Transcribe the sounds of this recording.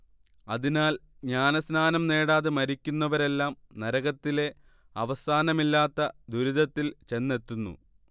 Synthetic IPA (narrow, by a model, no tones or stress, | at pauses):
ɐðinaːlɲaːnɐsnaːnɐmne̞ːɽaːðemɐɾikʲːunːɐʋɐɾe̞lːaːmnɐɾɐɣɐt̪ːile̞ | ɐʋɐsaːnɐmilːaːt̪ːɐd̪uɾid̪ɐt̪ːilt͡ɕe̞nːe̞t̪ːunːṵ